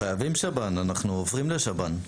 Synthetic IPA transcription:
ajavimʃabananaχnuovʁimleʃaban

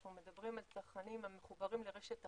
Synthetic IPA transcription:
nume̞d̪abʁimalsaʁχkanimame̞χubaʁimleʁeʃet̪a

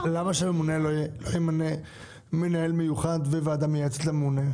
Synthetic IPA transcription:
lamaʃememunelolojemane | menae̞lmejuχad̪vevaad̪amjeet͡set̪lamemune

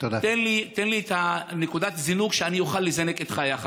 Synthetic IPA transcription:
t̪odat̪enlit̪enliet̪anekud̪at̪zinuɡʃeanijoχalːizeneket̪χajaχa

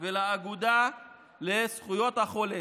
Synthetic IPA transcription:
velaːɡud̪a | lesχujo̞t̪haχo̞le

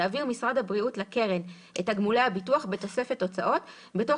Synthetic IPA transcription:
aviʁmisʁadhabʁiutlake̞ʁen | ʔethaɡmulehabituaχbeto̞se̞feto̞t͡sa̰ʔo̞t | be̞to̞

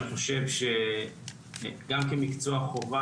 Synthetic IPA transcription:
χo̞ʃe̞vʃe | ɡamkemikt͡soaχo̞va

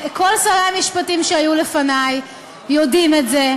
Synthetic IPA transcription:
ko̞lsaʁeamiʃpatimʃeajule̞fanajː | o̞dimetze

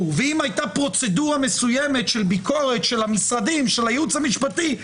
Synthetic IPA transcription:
uveimajtapʁo̞t͡se̞duʁame̞sujeme̞t̪ʃe̞lbikʰo̞ʁe̞t̪ʃe̞lhamisʁadimʃelhajut͡shamiʃpati

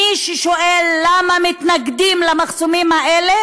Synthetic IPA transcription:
iʃeʃoʔelːamamit̪naɡd̪imlamaχsomimhaele

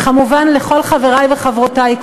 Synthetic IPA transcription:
kamuvanleχo̞lχaveʁajveχavʁotajk

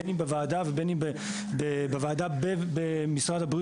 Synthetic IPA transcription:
nimbevaːd̪avebenibe | bebevaːd̪abebemisʁad̪abʁi

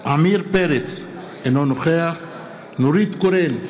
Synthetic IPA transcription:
ʔamiɾpeɾet͡s | enonoχeaχ | noɾit̪koɾen

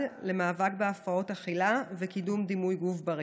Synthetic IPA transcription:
le̞maːvak̚beafao̞taχilavekidumd̪imujɡufbaʁ

